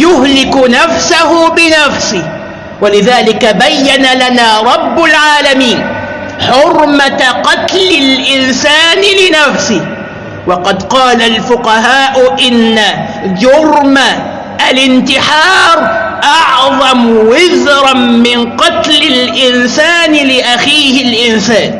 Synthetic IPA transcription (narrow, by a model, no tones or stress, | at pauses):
jʊɦlɪkʊnafsahʊbɪnafsɪ | walɪðaːlɪkabajːanalanaːɾˤɑbːʊlʕaːlamiːn | ħʊɾmaqɑt̪lɪlʔɪnsaːnɪlɪnafsɪh | wɑqɑd̪qɑːlalfʊqɑɦaːʔʊʔɪnːa | d͡ʒʊɾma | ʔalɪnt̪ɪħɑːɾʔɑʕðˤɑmwɪðɾmɪnqɑt̪lɪlʔɪnsaːnɪlɪʔaxiːhɪlʔɪnsaːn